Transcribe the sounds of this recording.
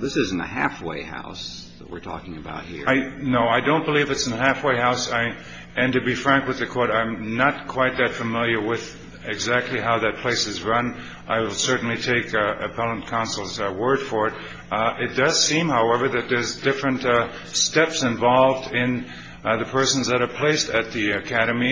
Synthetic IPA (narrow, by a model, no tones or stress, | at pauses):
ðɪsɪz̃n̩ɨ̰hæ̰fwḛɪha̰ʊs | ðəʔ̚wɪ̰ɹtʰɔ̰kɪ̃ŋɨba̰ʊt̚hḭɹaɪnoʊaɪdõʊ̃nb̥əlivɨtsn̩ɨhæfweɪhaʊsaɪ | ɨ̃ntɨbifɹæ̃ŋkwɨðɨkʰɔɹɾãɪ̃mnət̚kʰw̥aɪt̪̚ðɨtfɨmɪlˠjə˞wɪð | ɪɡzæk̚tʰˡliɦaʊðɨt̚pʰl̥eɪsɨzɹʌ̃n | ʔaɪwəlˠsɜ˞ʔn̩litʰeɪkɨpʰɛlˠə̃nkʰãʊ̃nsl̩ˠzwɜ˞d̥fə˞ɨɾ | ɪt̚d̥ʌz̥sĩmhaʊɛvə˞ðɨt̪̚ðə˞zdɪfɹɨ̃nt | stɛpsɨ̃ɱvɑlˠvdɪ̃n | ðɨpʰɜ˞sn̩zðɨɾə˞pʰl̥eɪstɨt̪̚ðiɨkʰæɾɨmi